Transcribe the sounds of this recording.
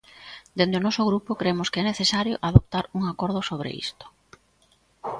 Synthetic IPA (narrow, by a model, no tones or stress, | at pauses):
d̪end̪eonɔsʊɣɾupʊkɾemʊskeɛneθesaɾjo̰ʔaðop̚t̪aɾuŋakɔɾð̞ʊsoβ̞ɾḛḭst̪o̥